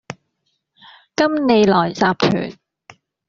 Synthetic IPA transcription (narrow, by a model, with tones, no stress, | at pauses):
kɐ˥mne˨˧jlɔː˨˩jt͡saː˨˧p̚k̪ʰy̰ː˨˩n